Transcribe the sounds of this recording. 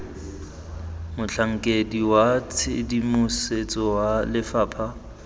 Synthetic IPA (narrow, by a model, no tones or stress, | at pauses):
mʊt͡ɬʰaŋ̩kʼediwat͡sʰḛdimʊset͡sʼɔwalɪfaːpʰa